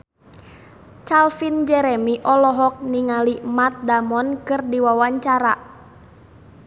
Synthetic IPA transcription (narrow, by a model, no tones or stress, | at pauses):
t͡ʃalfind͡ʒɛɾɛmiʔɔlɔɦɔk̚niŋalimat̪̚damɔnkɨrdiwawaɲt͡ʃaɾa